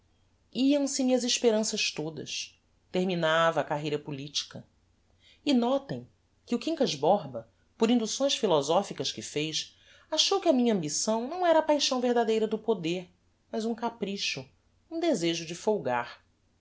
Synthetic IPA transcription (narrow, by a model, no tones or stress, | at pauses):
iɐ̃w̃sɪmĩɲɐziʃpeɾɐ̃sɐʃt̪od̪ɐ̰s | t̪eɾminavɐːkaɦejɾɐpulit͡ʃi̥kɐ | inɔt̪ẽj̃ | kɪukĩŋkɐzbɔɦbɐ | poɾĩnd̪usõj̃sfilɔzɔfikɐskɪfejʃ | aʃowkɪɐmĩɲɐɐ̃mbisɐ̃w̃nɐ̃w̃ɛɾɐapajʃɐ̃w̃veɦd̪ad̪ejɾɐd̪ʊpod̪eɾ | mɐjzũkapɾiʃʊ | ũd̪ezeʒʊd͡ʒɪfowɡaɾ